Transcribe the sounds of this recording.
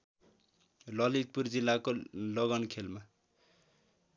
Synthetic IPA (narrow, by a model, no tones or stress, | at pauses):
lʌlit̪̚purd͡zilːakolʌɡʌnkʰelma